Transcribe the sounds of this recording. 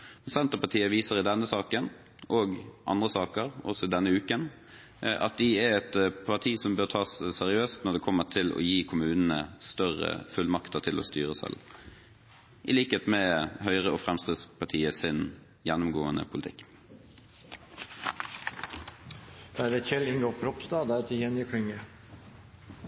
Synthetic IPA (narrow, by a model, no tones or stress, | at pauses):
mɛnsɛnt̪əpɑʈʰiːəʋiːsəʁɪd̪ɛnːəsɑːkən | ʔoːɡʔɑ̰nd̪ʁəsɑːkəɾɔ̰sɔɪd̪ɛnːəʉːkən | ʔɑ̰t̪̚d̪ɪɛɾɛt̪pʰɑʁʈ̪ʰiːsɔmbøːʁt̪ʰɑːssɛʁɪøːst̪nɔd̪ɛːkʰɔmːət̪ʰɪlɔ̰jiːkʰʊmʉːnnə̰st̪œʁə̰fʉlmɑkt̪ət̪ʰɪlʔɔ̰ːst̪yːʁəsɛ̰l | ʔɪliːkəeːt̪mɛɦœʏʁəɔfʁɛmskɾɪd̪spʰɑʈʰiːəsɪn | jɛnːʊmɡoːənə̰pʰʊlɪt̪ʰɪkː | d̪̥æɾɛçɛlɪŋɡɔpʰɾɔpsd̪ɑːd̪æt̪ʰɪjɛnəkʰʏŋə